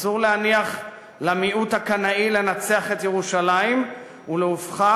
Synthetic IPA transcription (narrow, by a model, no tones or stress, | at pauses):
zuʁlehaniaχ | lamiʔuthakanaile̞nat͡seaχet̪jeʁuʃalaim | uleufχa